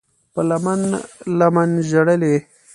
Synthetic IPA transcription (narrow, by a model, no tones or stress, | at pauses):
pəlamanlamanʒaɽəle